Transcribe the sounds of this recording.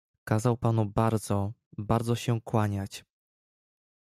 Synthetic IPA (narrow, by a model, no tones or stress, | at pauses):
kazawpanubaɾd̪zɔbaɾd̪zɔɕɛkwaɲat͡ɕ